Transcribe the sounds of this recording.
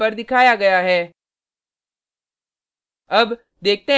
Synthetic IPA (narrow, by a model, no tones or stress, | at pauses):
ɐɾd̪ɪkʰaːjaɡɐjaɦɛː | ɐb | d̪eːk̚t̪eɦ